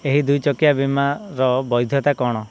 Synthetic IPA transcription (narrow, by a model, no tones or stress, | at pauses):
eɦid̪ujt͡ʃɔkijabimaɾɔbɔjd̪ʱjɔt̪akɔɽ̃ɔ